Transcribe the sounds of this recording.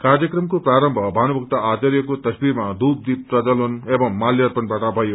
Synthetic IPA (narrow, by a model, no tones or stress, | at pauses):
karjʌkrʌmkopraɾʌmbʱʌbʱanubʱʌk̚t̪aat͡sʌɾjʌkot̪ʌsbiɾmad̪up̚d̪ip̚prʌd͡zʌlonebʌmːaljʌrpʌnbaʈabʱʌjo